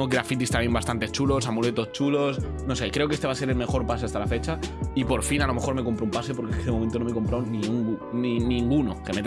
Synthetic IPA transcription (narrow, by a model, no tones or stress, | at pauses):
oɡɾafit̪ist̪amje̞mbast̪ant̪et͡ʃulo̞s̬amule̞t̪o̞st͡ʃulo̞s | no̞se̞kɾe̞o̞kee̞st̪easeɾe̞lme̞xo̞ɾpas̬east̪alafe̞t͡ʃaipo̞ɾfinalo̞me̞xo̞ɾme̞ko̞mpɾoumpase̞po̞ɾkekeðemoe̞nt̪o̞nome̞ko̞mpɾawnĩuŋninĩŋɡuno̞ke̞met̪